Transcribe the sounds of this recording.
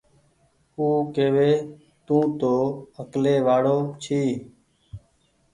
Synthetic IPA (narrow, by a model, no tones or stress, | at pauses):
uːkeːʋeː | t̪ũːt̪oːəkleːʋaːɽoːt͡ʃʰiː